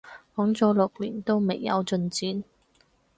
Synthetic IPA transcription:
kɔː˨˥ŋt͡sɔː˨˥lʊ˨k̚lḭː˨˩nt̪o˥wme˨˩jːɐ̰˨˧wt͡sɵ˧nt͡siː˨˥n

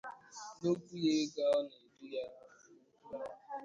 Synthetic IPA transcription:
no˦kʷu˦je˦ɡa˦ɔ˦ne˨dʊ˦ja˦˨˦

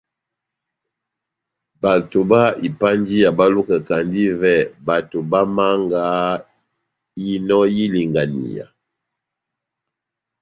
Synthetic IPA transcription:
ba˨to˨ba˦i˨pa˦nd͡ʒi˦ja˨ba˦lu˦kɛ˨ka˨ndi˦vɛ˦˨ba˨to˨ba˦ma˦ŋɡa˨˦ | i˦nɔ˦ji˦li˨ŋɡa˨nḭ˨ja̰˨

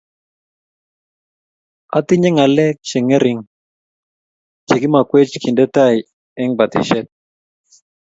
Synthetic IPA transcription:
a̰˨˦t̪ɪ˦ɲɛ˦ŋa˨lɛ˦k̚t͡ʃe˨ŋɛ˦ɾɪ˨ŋ | t͡ʃe˨ɡɪ˦ma˨kwe˦t͡ʃki˨ndɛ˦ta˦j | ɛ˦ŋba˨t̪ɪ̰˨ʃɛ˦t̚

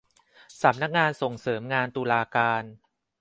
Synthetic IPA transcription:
sa˩˦mna˦˥k̚ŋaː˧nso˨˩ŋsɤː˩˦mŋaː˧nt̪uː˧laː˧kaː˧n

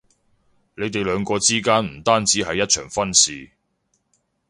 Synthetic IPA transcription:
le˨˧jt̪e˨jlœː˨˧ŋkɔː˧t͡siː˥kaː˥nm̩˨˩t̪aː˥nt͡siː˨˥ɦɐ˨jːɐ˥t̚t͡ʃʰœ̰ː˨˩ŋfɐ˥nsiː˨

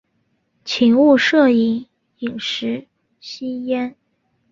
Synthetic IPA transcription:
t͡ɕʰi˧˥ŋu˥˧ʂɤ˥˩i˧˥ŋ | i˨˩ŋʂɻ̩˧˥ | ɕi˥jɛ˥n

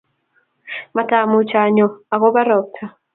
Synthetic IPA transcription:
ma˨ta˨mu˨t͡ʃa˨ɲɔ˨a˨ɣɔ˦ba˦ɾɔ˨k̚tʰa˨

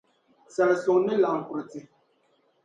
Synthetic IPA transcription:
sɛ˨lso˨ŋnɪ˦la˨ŋ̩˨ku˨ɾti˨

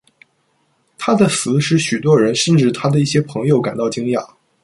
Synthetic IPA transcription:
t̪ʰa˥d̪ə˨sɹ̩˧˥ʂɻ̩˥˩ɕy˨˩t̪wɔ˥ɻə˧˥nʂə˥˧nʈ͡ʂɻ̩˥˩t̪ʰa˥d̪ə˨i˥˩ɕjɛ˥pʰɤ˧˥ŋjo˧ʊka˨˩nt̪ɑ˥˩ʊt͡ɕi˥ŋlja̰˥˩˦

